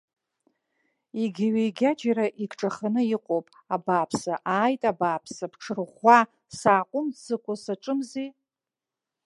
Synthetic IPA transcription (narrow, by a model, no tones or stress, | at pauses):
iɡʲɥejɡʲad͡ʒaɾaʔikʰʈ͡ʂʼaχanɨiqʷʼowpʼ | abapʰsaʔaːjtʼabaːpʰsapʰʈ͡ʂʰɨrʁʷa | saːqʷʼʊmsɨkʷʼʊsaʈ͡ʂʼɨmzi